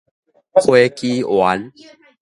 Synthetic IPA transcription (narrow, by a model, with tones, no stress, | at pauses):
kʰwe˦ki˦wa˨˦n